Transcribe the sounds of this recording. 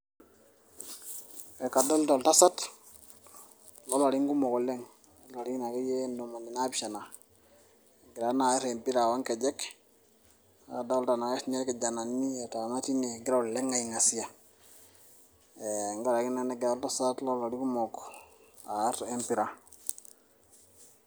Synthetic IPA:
we˨ka˨da˦lda˨lta˦sa˦t | lo˦la˨ɾi˦ŋɡu˦mo˨ko˨le˦ŋ | a˦a˨ɾi˦na˨ke˦je˦ndo˨ma˨ni˨na˦biʃa˨na˨ | ɡi˨ɾa˨˦na˨˦ɾe˨mpi˦ɾa˨wa˦ŋke˨d͡ʒe˦k | a˨da˦lta˨na˨ke˦sne˦ke˨d͡ʒa˨na˨nːi˦e˨ta˨ma˦ti˦ne˨ɡi˦ɾa˦u˨le˦ŋa˨i˨ŋa˨si˦a˨ | e˨ŋɡa˦ɾa˨ki˦na˦ne˦ɡa˨˦lta˦satlo˦la˨ɾi˦ku˦mo˨k | a˨˦ɾe˦mpi˨ɾa˨

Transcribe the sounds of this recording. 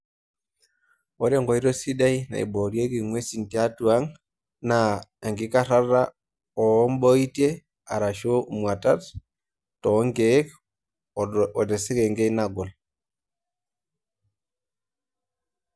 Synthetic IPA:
o˦ɾe˦ŋɡo˨i˦ɾo˦si˦da˦jna̰˨ḭ˨bo˨ɾje˦ki˨ŋwe˦si˨ntia˦tu˦a˦ŋ | na˨a˨ŋɡi˦ka˦ɾa˦ɾa˦ | o˨˦mbo˦i˦te˦ | a̰˨ɾa˨ʃo˦mwa˨ta˦t | tɔ˨˦ŋɡe˨˦k | ɔ˨de˨se˦ke˨ŋɡe˦i˦na˨ɡɔ˨l

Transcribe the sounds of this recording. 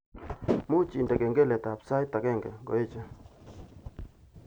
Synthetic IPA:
mu˦t͡ʃi˨nde˨ɡe˨ŋɡe˦lɛ˨ta˨psa˦jtːa˨ɡe˦˨ŋɡḛ˨ɡo̰˨je˦t͡ʃe˦

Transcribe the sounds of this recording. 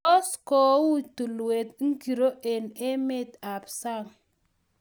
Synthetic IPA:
ɔ˦sko˨˦wu˦t̪u˨lwe˨t̪̚ŋ˦ɡi˨ɾo˦ʔe˨ne˦mɪ˦t̪a˨psa˦˨ŋ

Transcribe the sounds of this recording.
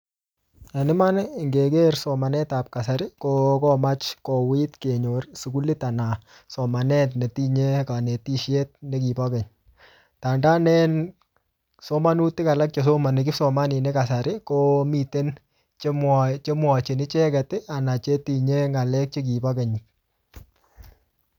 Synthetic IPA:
a˨nɪ˦ma˦n˨ŋɡe˨ke˦rsɔ˨ma˨nɛ˦ta˨p̚ka˨sa˨ɾɪ˦kokɔma˦t͡ʃkɔ˨wi˦tke˨ɲo˨rsu˨ku˦lɪ˦ta˨na˨ | sɔ˨ma˨nɛ˦tne˨ti˦ɲe˦ka˨ne˨ti˦ʃe˦t̚ne˦ki˨pa˦kɛ˨ɲ | ta˨nda˦nɛ˦n | so˦ma˦nu˦tɪ˦ka˨la˦k̚t͡ʃɔs̬o˦ma˨nɪk̬ɪ˦sɔma˦ni˨ne˦ka˨sa˨ɾɪ˦ko˦mi˨te˦n | t͡ʃemt͡ʃe˦mwa˨t͡ʃe˨nɪ˦t͡ʃɛ˦kɛ˨tɪ˦a˨na˨t͡ʃe˦ti˨ɲe˦ŋa˨lɛk̚t͡ʃɪ˦k̬i˨pakɛ˨ɲɪ˨

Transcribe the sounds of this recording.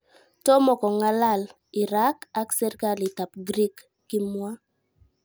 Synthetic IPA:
tɔ˦mɔ˨kɔ˨ŋa˦la˦˨l | ɪ˨ɾa˦ka˦ksɛ˦ɾka˦lɪ˨ta˨pɡɾi˦kː | ɪ˦mwa˦

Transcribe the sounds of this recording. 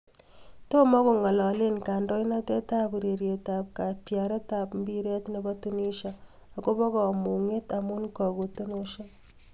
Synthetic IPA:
to˦mɔ˦ko˨ŋa˨lɔ˨le˦nka˨ndɔ˦jna˦te˦ta˦pɾe˨ɾje˨tap̚ka˨tjaɾe˦tapmbi˦ɾɛ˦tnebatuni˦ʃa | a˨ko˦pɔ˦kɔ˨mu˨ŋe˦tamu˦nkɔ˨ku˨to˦noʃa

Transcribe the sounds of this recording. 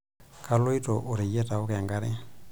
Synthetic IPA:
kʰa˨lo˦i˦tɔ˨ʔo˨ɾe˨jɛ˦ta˨o˦ka˨a˨ŋɡa˦ɾe˦

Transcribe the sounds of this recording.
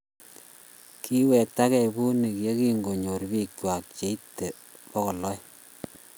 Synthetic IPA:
kʰi˦wɛ˨ta˦kɛ˨bu˦ni˨ke˦ki˦ŋɡo˨ɲo˨ɾbi˦kt͡ʃwa˨k̚t͡ʃe˨˦i˦tːe˨ | pɔ˦kɔ˨lɔ˦j

